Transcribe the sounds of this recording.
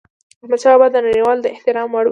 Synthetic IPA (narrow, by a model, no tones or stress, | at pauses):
mʊt͡ʃɑbad̪ənaɽiwɑld̪əɪht̪ɪɾɑmwaɽ